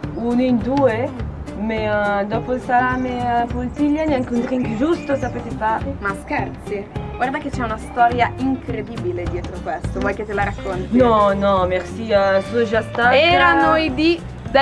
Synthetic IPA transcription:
unoind̪uːe | med̪ɔːpolsalamepolt̪iʎːanjaŋkunt̪ɾiŋkd͡ʒust̪osapet̪efaːɾemaskɛɾt̪siɡward̪aket͡ʃɛunast̪ɔɾjaiŋkɾed̪ibiled̪jɛt̪ɾokwest̪ovɔjket̪ːelaɾakʰːont̪nɔnɔmersiːasuod͡ʒast̪aɛɾanojd̪i | d̪

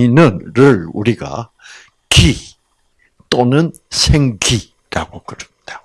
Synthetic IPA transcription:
nɯnɾɯɭuɾiɡa̰ | ki | t͈onɯn | sʰeŋɡi | ɾaɡokɯɾɯd̥ejo

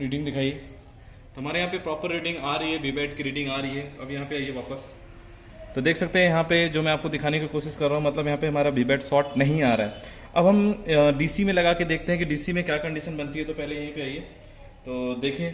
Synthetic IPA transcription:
ɾiːɖɪ̃ŋɡd̪ɪkʰaːie | t̪oɦɐmaːɾejɐɦãpepɾɔːpəɾːiːɖɪ̃ŋɡaːɾɐɦiɦɛbiːbeːʈ̚kiɾiːɖɪ̃ŋɡaːɾɐɦiɦɛtɐbjɐɦãpeaːieʋaːpəs | t̪od̪eːkʰsɐk̚t̪eɦɛ̃jɐɦãped͡ʒoːmɛ̃aːp̚kod̪ɪkʰaːnekikoːʃɪskɐɾːaːɦũmɐt̪ləbjɐɦãpeɦɐmaːɾabiːbeːʈsɔːʈnɐɦĩaːɾaɦɛ | ɐbɦɐmɖiːsimẽlɐɡaːked̪eːk̚ʰt̪eɦɛ̃kiɖiːsimẽkjaːkɐ̃ɳɖiʃənbɐnt̪iɦɛt̪opɛɦlejɐɦãpeaːieː | t̪oːd̪eːkʰiẽː

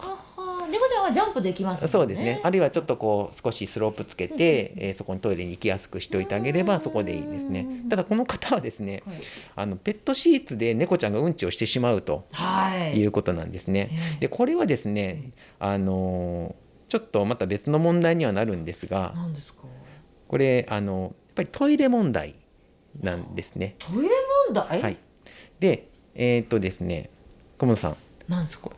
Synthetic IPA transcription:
nekot͡ɕãɰ̃ad͡ʑãmpɯ̟d̪eikʲimasso̞ːd̪e̞ɨneʔaɾɯ̟iβat͡ɕo̞t̪ːo̞ko̞ːsɨ̥ko̞ɕisɨɾo̞pːɯ̟t͡sɨ̥ke̞t̪e̞so̞ko̞ɲ̟it̪o̞iɾeɲ̟iːkʲijasɨ̥kɯ̟ɕi̥t̪eo̞it̪eaɡe̞ɾe̞baso̞ko̞d̪e̞̰ḭːd̪e̞sɨne̞t̪ad̪ako̞no̞kḁt̪aβad̪e̞sɨne̞ano̞pe̞t̪ːo̞ɕiːt͡sɨd̪e̞ne̞ko̞t͡ɕãŋɡaɯ̟̃ɲ̟t͡ɕio̞ɕi̥t̪e̞ɕimaɯ̟t̪o̞̰hajɯ̟ːko̞t̪o̞nã̰nd̪e̞sɨne̞d̪e̞ko̞ɾe̞βad̪e̞sɨne̞ | ano̞ | t͡ɕo̞t̪ːo̞mat̪abe̞t͡sɨno̞mõ̞nd̪aiɲ̟iβanaɾɯ̟̃nd̪e̞sɨɡa̰nnd̪esk | ko̞ɾe̞ʔano̞japːaɾʲit̪ʰo̞iɾe̞mõ̞nd̪a̰ḭ | nãnd̪e̞sɨ̥ne̞t̪ʰoiɾemõnd̪aihai | d̪e̞ | eːt̪ːo̞d̪e̞sɨne̞̰ | komonosã̰ŋ | naes

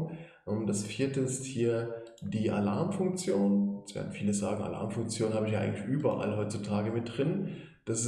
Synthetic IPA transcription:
ʔmd̥asfiːɐtəɪsthiːɐd̥iːʔa̰laɐmfʊŋk̚t͡sjoːnsv̥ɛ̰ɐdn̩fiːləzaːɡŋ̩a̰la̰ɐmfʊŋk̚t͡sjoːnhaːbəɪçjaʔa̰ɪɡŋ̩tlɪçʔyːbɐʔa̰lɦɔʏtt͡sutʰaːɡəmɪt̚d̥ʁɪn | d̥as

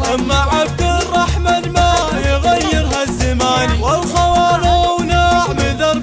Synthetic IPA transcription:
ʔamːaʕab̚d̪arˤːɑħmanma | jɣajːɪɾɦazːamaːniwalxawaːlawnaːʕmɪd̪ɑɾˤ

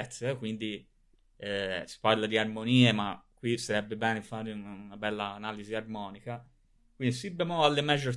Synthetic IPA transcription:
ɛt̪sːekwind̪i | ɛsi̥parlad̪iarmoniːemakːwisaɾɛbːebɛːnefaːɾeunaunabɛlːaːnaːliziarmɔːnika | kwind̪isibːemoalːemɛd͡ʒoɾ

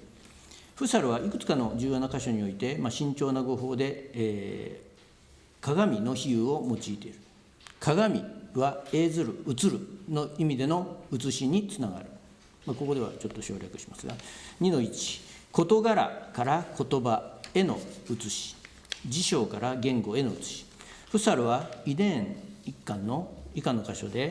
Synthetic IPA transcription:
ɸɯ̟saɾɯ̟β̞aʔikɯ̟̥t͡sɨ̥kano̞d͡ʑɨːjo̞ːnakaɕo̞ɲ̟io̞it̪e̞maɕĩɲ̟t͡ɕo̞ːnaɡo̞ɦo̞ːd̪e̞ː | kaɡamʲino̞çijɯːo̞mo̞t͡ɕiːt̪e̞iɾɯ̟ | kʰaɡamʲḭβae̞ːzɨɾɯ̟ɯt͡sɨɾɯ̟no̞imʲid̪e̞no̞ɯt͡sɨɕiɲ̟it͡sɨnaɡa̰ɾɯ̟ | mako̞ko̞d̪e̞βa̰t͡ɕo̞t̪ːo̞ɕo̞ːɾʲakɯ̟̥ɕi̥masɨɡaɲ̟ino̞it͡ɕi̥ko̞t̪o̞ɡaɾa̰kaɾakʰo̞t̪o̞bae̞no̞̰ɯ̟t͡sɨɕi̥ | d͡ʑiɕo̞ːkaɾaɡẽ̞ŋɡo̞e̞no̞ɯt͡sɨ̥ɕi̥ | ɸɯ̟saɾɯ̟βaid̪ẽ̞ɰɴikːãnːo̞ikano̞kaɕo̞̰d̪e̞

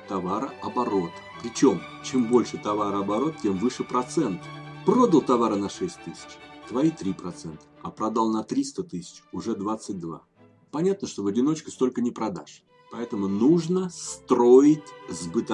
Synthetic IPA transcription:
t̪ɐvaɾəɐbɐɾo̞t̪ | pɾʲɪt͡ɕo̞mt͡ɕembo̞lʲʂɨt̪ɐvaɾəɐbɐɾo̞t̪̚tʲemvɨʂɨpɾɐt̪sɛnt̪əpɾo̞d̪əlˠt̪ɐvaɾənɐʂɛsʲt̚ʲt̪ːɨsʲɪ̥t͡ɕt̪vɐit̪ɾʲipɾɐt̪sɛnt̪ə̥ɐpɾɐd̪alˠnɐt̪ɾʲist̪ət̪ɨsʲɪ̥t͡ɕʊʐɛd̪vat̪sːɨt̚ʲd̪va̰ | pɐnʲat̪̚nəʂt̪ovɐdʲɪno̞t͡ɕkəst̪o̞lʲkənʲɪpɾɐd̪a̰ʂ | pɐɛt̪əmʊnuʐnəst̪ɾo̞ɪtʲzbɨt̪ɐ

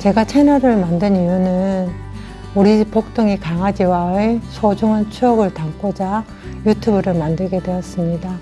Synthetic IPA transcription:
t͡ɕe̞ɡat͡ɕʰe̞nʌɾɯɭmandɯnijunɯn | uɾipok̚t͈oŋikaŋɦad͡ʑiwaesʰod͡ʑuŋɦant͡ɕʰuʌɡɯɭtaŋk͈od͡ʑa | jutʰubɯɾɯɭmandɯɭɡe̞dwe̞jʌs͈ɯmɲida

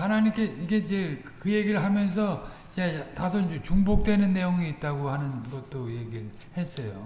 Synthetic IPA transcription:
hanaɲimk͈e̞iɡe̞d͡ʑe̞ | kɯje̞ɡiɾɯɭɦamjʌnsʰʌ | jetasʰoind͡ʑet͡ɕuŋbok̚t͈we̞nɯnːe̞joŋiːt̚t͈aɡohanɯnɡʌt̚t͈oje̞ɡiɭ | e̞s͈ʌjo

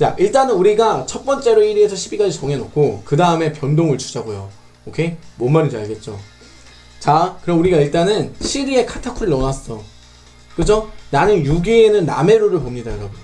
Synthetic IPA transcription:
t͡ɕa̰ʔiɭt͈anɯnuɾiɡat͡ɕʰʌt̚p͈ʌnt͡ɕ͈e̞ɾoiɾiɦesʰʌɕʰibiɡad͡ʑit͡ɕoŋɦe̞nokʰokɯdaɯme̞pjʌndoŋɯɭt͡ɕʰu̥d͡ʑaɡojo̰ | okʰe̞mʌnmaɲid͡ʑaɭɡe̞t̚t͡ɕ͈o̰ | t͡ɕakɯɾʌmuɾiɡaiɭt͈anɯnɕʰiɾie̞kʰatʰakʰuɾɯɭːʌnas͈ʌ | kɯd͡ʑonanɯnjuɡeːnɯnːa̰me̞ɾoɾɯɭpomɲidaɯɾʌbuɲo

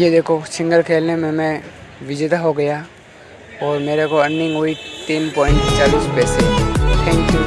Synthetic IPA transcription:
jed̪eːkʰoʃɪ̃ŋɡəɾkʰeːlnemẽmɛ̃ | ʋɪd͡ʒeːt̪aɦoɡɐja | ɔːɾmeːɾekoɐ̃nːɪ̃ŋɡɦoːit̪iːnpɔːɪ̃ɳʈt͡ʃaːliːspɛːset̪ʰɛ̃ːŋkjuː

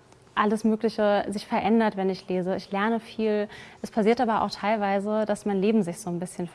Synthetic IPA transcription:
ʔaləsmøːklɪçəzɪçfɛɐʔɛndɐtv̥ɛnɪçleːzəɪçlɛɐnəfiːlʔɛspʰasiːɐtʔaːbɐʔa̰ʊxtʰaɪlvaɪzəd̥asmaɪnleːbm̩zɪçz̥oːnbɪsçən

